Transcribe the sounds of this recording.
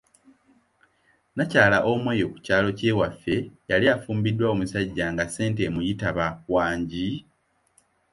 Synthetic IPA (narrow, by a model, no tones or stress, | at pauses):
nacaːlaʔo̞mwe̞ːjo̞ku̥caːlo̞ce̞ːwafːe̞jalijafuːmbidːwao̞musaɟːaŋɡase̞ːnte̞mujitaβawaːɲɟi